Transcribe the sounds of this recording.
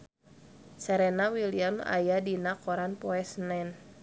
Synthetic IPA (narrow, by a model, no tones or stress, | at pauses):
sɛɾɛnawiliama̰jadinakɔɾanpɔɛsnɛn